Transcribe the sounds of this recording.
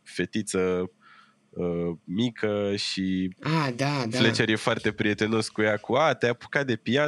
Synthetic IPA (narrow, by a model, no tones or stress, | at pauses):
fe̞t̪it̪sə | əmikʰəʃiad̪aflet͡ʃe̞ɾjefoart̪e̞pɾie̞t̪e̞no̞skujakuat̪eapu̥kad̪e̞pija